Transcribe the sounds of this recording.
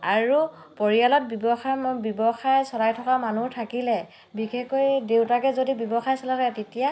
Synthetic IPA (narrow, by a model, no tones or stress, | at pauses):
aɹu | pɔɹijalɔt̚bibɔxbɔbɔxajsɔlajtʰɔkamanutʰakilɛ | bixekojdewtakɛzodibɔbɔxajsɔlatɛtetija